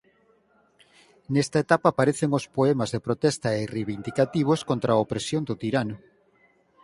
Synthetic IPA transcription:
nɛst̪ɐet̪apaːpaɾeθeŋospoemazðepɾot̪ɛst̪ɐereβind̪ikat̪iβ̞oskont̪ɾaopɾesjond̪ot̪iɾanʊ

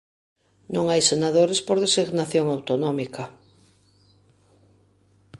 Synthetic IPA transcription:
nõŋajsenaðoɾespoɾðesiɣnaθjoŋawt̪onɔmikɐ

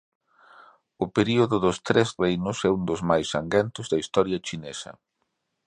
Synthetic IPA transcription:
ʊpeɾioðʊðʊst̪ɾɛsrejnʊsɛund̪ʊzmajsaŋɡɛnt̪ʊzðɐist̪ɔɾjɐt͡ʃinesɐ̰

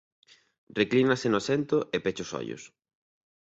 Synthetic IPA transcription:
reklinasenoasent̪ʊʔepet͡ʃʊsɔ̰ʎʊ̰s

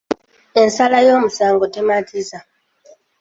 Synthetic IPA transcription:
ensalajo̞ːmusaːŋɡotematʰiza

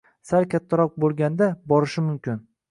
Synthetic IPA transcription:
saɾkʲat̪ʰːaɾɒq̚bolˠɡʲand̪abɒɾɪʃɪmʊmkʲʰɪn

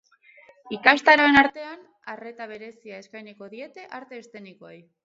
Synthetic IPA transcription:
ikast̪aɾoe̞naɾt̪e̞an | are̞t̪aβ̞e̞ɾe̞siae̞skajniko̞ðie̞t̪e̞ʔaɾt̪e̞ːst̪e̞nikoaj

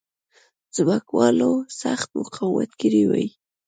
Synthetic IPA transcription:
z̥bakwɑlosaxt̪mʊqʰawa̰t̪kiɾiwaj

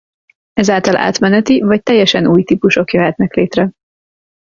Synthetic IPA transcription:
ɛzaːlt̪ɒlʔa̰ːt̪mɛnɛt̪ivɒc̚t̪ɛjːɛʃɛnuːjt̪iːpuʃo̞kjøɦɛt̪nɛkleːt̪rɛ

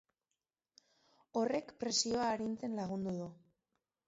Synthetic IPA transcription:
o̞re̞kpɾe̞sio̞aːɾint͡se̞nlaɣ̞und̪uðu

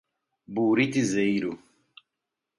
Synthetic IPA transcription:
buːɾit̪izejɾu

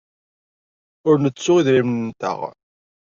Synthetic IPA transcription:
ʊɾnət͡sːʊʁiðɾimnənt̪ə̰ʁ

